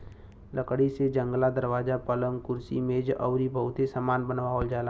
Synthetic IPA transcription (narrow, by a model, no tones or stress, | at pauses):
ləkɽised͡ʒə̃ŋɡlad̪əɾʋaːd͡ʒapələ̃ŋkʊɾsḭmẽd͡ʒʔəːɾibʱəɦʊt̪esəmaːnbənʋaold͡ʒaːla